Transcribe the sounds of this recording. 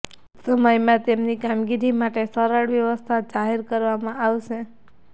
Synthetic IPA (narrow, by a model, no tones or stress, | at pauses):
səməjmãt̪emnikamɡiɾimaʈesəɾaɽʋjəʋəst̪ʰad͡ʒaɦeɾkəɾʋamãaʋʃe